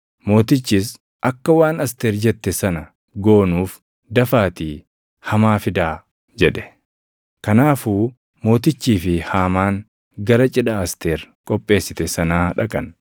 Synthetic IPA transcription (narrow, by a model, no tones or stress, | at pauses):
mo̞ːt̪ɪt͡ʃːis | ʔɐkːɐwaːnɐst̪eːɾd͡ʒɛt̪ːɛsɐnɐ | ɡo̞ːnuːf | d̪ɐfaːt̪iː | hɐmaːfɪd̪aː | d͡ʒɛᶑɛ̥ | kɐnaːfuː | mo̞ːt̪ɪt͡ʃːiːfɪhaːmaːŋ | ɡɐɾɐt͡ʃʼɪᶑɐːst̪eːɾkʼɔpʼːe̞ːsːɪt̪ɛsɐnaːᶑɐkʼɐn